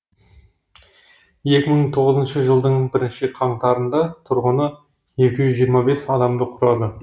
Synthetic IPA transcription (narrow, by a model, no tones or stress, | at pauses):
je̞kʲɪməɴt̪ʰo̞ʁəzənʃəʒəlˠd̪əɴbɪɾɪnʃɪqʰɑɴt̪ɑɾənd̪ɑt̪ʰʊɾʁənə | je̞kʲɪʒʏzʒijəɾmɑbe̞sɑd̪ɑmd̪əqʰʊɾɑd̪ə